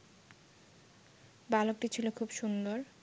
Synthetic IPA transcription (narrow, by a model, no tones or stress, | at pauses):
balok̚ʈit͡ɕʰilokʰubʃund̪oɾ